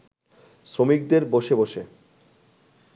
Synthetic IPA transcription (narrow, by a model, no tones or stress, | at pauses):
sɾomik̚d̪eɾboʃeboʃe